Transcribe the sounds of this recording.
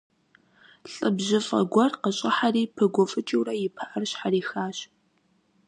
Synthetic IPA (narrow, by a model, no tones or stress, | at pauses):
ɬʼɨbʑɪfʼɐ̰ɡʷɔrqəɕʼɪħariːpʰɨɡʷɔfʼɨt͡ʃʼɪwrɐjɪpʰɐʔɐrɕħariːxaːɕ